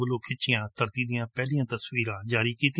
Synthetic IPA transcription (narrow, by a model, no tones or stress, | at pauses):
əloːkʰɪt͡ʃɪjãːt̪əɾt̪iːd̪ɪjãːpɛːlijãːt̪əswiːɾãːd͡ʒaːɾiːkiːt̪ɪ